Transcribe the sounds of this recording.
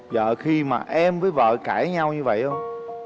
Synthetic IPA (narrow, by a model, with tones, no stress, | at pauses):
zə̰ː˧˨xi˧ma̰ː˨˩ʔɛ˧mvəː˨˦jvə̰ː˧˨kaː˧˩jɲa˧wɲɨ˧və̰˧˨jʔə˧ŋ͡m